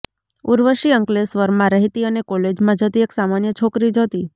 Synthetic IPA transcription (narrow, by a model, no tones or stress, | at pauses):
uɾʋəʃiəŋklesʋəɾmãɾəɦit̪iənekoled͡ʒmãd͡ʒʱət̪ieksamanjət͡ʃʰokɾid͡ʒət̪i